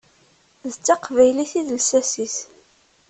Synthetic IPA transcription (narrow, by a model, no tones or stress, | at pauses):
ðət͡sːɑqvæjliθiðlsæsiθ